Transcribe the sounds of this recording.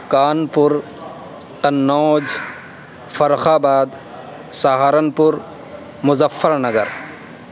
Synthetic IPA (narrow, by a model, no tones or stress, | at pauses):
kaːnpʊɾ | t̪ɐnːoːd͡ʒ | fɐɾxaːbaːd̪ | saɦaːɾɐnpʊɾ | mʊzɐfːɐɾnɐɡɐɾ